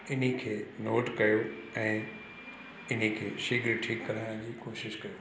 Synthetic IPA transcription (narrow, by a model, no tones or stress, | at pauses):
ɪnikʰeːnoːʈkɐjo | ɛ̃ː | ɪn̤ikʰḛːʃɪɡɾʈʰiːkːɐɾaːj̃d͡ʑiːkoːʃɪʃkɐjoː